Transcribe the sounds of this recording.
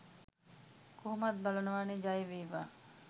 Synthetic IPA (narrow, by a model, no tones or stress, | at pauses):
kʰuɦumɐt̪̚bɐlɐnuʋaːnid͡ʒajeʋiːʋaː